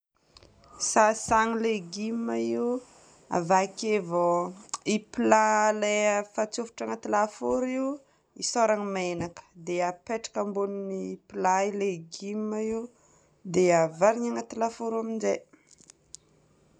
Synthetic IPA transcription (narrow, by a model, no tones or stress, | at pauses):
sasaŋileɡimai | a̰vakevoipilalefat͡sufu̥ʈ͡ʂaŋat̪ilafoɾiw | isoɾaŋimaenakə̥d̪eapeʈ͡ʂḁkəmbuninipilaileɡimaiu | d̪eavaɾiɲaŋat̪ilafoɾaminze